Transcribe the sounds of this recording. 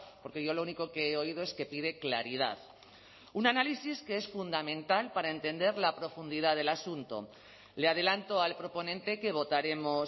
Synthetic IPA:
po̞ɾke̞ʝo̞louniko̞ke̞eo̞ið̞o̞e̞ske̞piðe̞klaɾið̞a̰ð | unanalisiske̞e̞sfund̪amẽ̞nt̪alpaɾae̞nt̪e̞nd̪e̞ɾlapɾo̞fund̪iðaðe̞lasunt̪o̞̰ | leað̞e̞lant̪o̞alpɾo̞po̞nẽ̞nt̪e̞ke̞βo̞t̪aɾe̞mo

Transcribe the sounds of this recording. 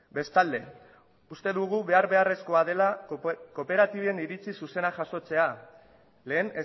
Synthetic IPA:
be̞st̪ald̪e̞ | ust̪e̞ðuɣ̞uβe̞aɾβe̞are̞sko̞að̞e̞lako̞pe̞ɾat̪iβe̞niɾit͡sisuse̞naʝaso̞t͡se̞a | le̞ːne

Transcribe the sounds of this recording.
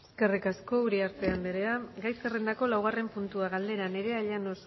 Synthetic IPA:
eske̞rikasko̞uɾiaɾt̪e̞and̪eɾeaɡajskere̞nd̪ako̞lawɣ̞are̞mpunt̪uaɣald̪e̞ɾane̞ɾe̞aʎanos

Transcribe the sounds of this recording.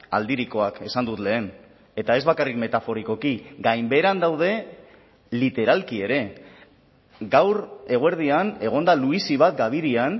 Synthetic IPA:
a̰ld̪iɾiko̞ake̞sand̪ut̪le̞ːn | e̞t̪ae̞zβakarikme̞t̪afo̞ɾiko̞kiɡajmbe̞ɾand̪awð̞e̞ | lit̪e̞ɾalkie̞ɾe̞ | ɡawɾe̞ɣoeɾð̞iane̞ɣ̞o̞nd̪aluisiβ̞at̪̚ɡaβ̞iɾian

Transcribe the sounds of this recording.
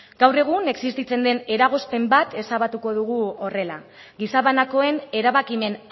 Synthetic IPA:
ɡawre̞ɣ̞une̞ksist̪it͡se̞nd̪e̞ne̞ɾaɣ̞o̞spe̞mbat̪e̞saβat̪uko̞ðuɣ̞uo̞re̞la | ɡisaβanako̞e̞ne̞ɾaβakime̞n

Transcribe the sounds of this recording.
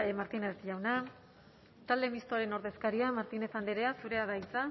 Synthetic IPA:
emaɾt̪ineɾt̪iʝawna | t̪ald̪e̞mist̪oaɾe̞no̞ɾðe̞skaɾiamaɾt̪ine̞θand̪eɾe̞asuɾe̞aðajt͡sa

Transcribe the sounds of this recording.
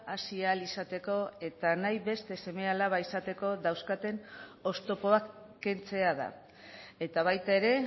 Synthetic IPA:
asialisat̪e̞ko̞e̞t̪anajβe̞st̪e̞se̞me̞alaβaisat̪e̞ko̞ðawskat̪e̞no̞st̪o̞po̞akː | e̞nt͡se̞aða̰ | e̞t̪aβ̞ajt̪ae̞ɾe̞

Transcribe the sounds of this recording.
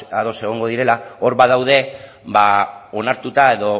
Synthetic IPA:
aðo̞se̞ɣ̞o̞ŋɡo̞ðiɾe̞lao̞ɾβaðawð̞e̞ | baonaɾt̪ut̪ae̞ðo̞

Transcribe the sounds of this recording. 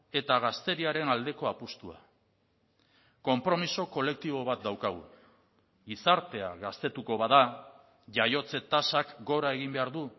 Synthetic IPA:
e̞t̪aɣ̞ast̪e̞ɾiaɾe̞nald̪e̞ko̞apust̪ua̰ | ko̞mpɾo̞miso̞ko̞le̞k̚t̪iβ̞o̞βat̪̚d̪awkaɣ̞ṵ | ɣisaɾt̪e̞a̰ɣast̪e̞t̪uko̞βaða | ʝajo̞t͡se̞t̪asakɡo̞ɾae̞ɣ̞imbe̞aɾðu

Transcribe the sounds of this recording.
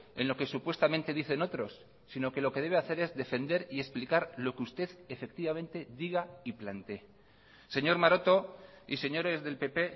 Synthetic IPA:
e̞̰nlo̞ke̞supwe̞st̪amẽnt̪e̞ðiθe̞no̞t̪ɾo̞sː | ino̞ke̞lo̞ke̞ð̞e̞βeaθe̞ɾe̞zðe̞fe̞nd̪e̞ɾie̞splikaɾlo̞keust̪e̞ðe̞fe̞k̚t̪iβamẽ̞nt̪e̞ðiɣ̞aiplant̪ee | se̞ɲo̞ɾmaɾo̞t̪o̞ise̞ɲo̞ɾe̞zðe̞lpe̞pe̞

